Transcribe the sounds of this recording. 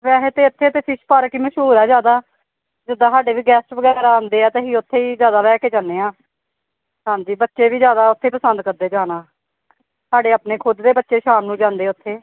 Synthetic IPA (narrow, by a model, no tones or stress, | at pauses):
ʋɛːɦeːt̪eːʊt̪ʰːeːt̪eːpʰɪʃpəɾkiːməʃɦuːɾɛːd͡ʒjaːd̪aː | d͡ʒɪd̪ːãːsaːɖeːʋiːɡɛːsʈʋəɡɛːɾaːãːnd̪eːɛːt̪eːɦiːʊt̪ʰːeːiːd͡ʒjaːd̪aːlɛːkeːd͡ʒãːnːeːãː | ɦãːɲd͡ʒiːbətːʃeːʋiːzjaːd̪aːʊt̪ʰːeːpəsənd̪̚kəɾd̪eːd͡ʒaːnaː | saːɖeːapneːkʰʊd̪d̪eːbətːʃeːʃaːmnũːd͡ʒãːnd̪eːʊt̪ʰːeː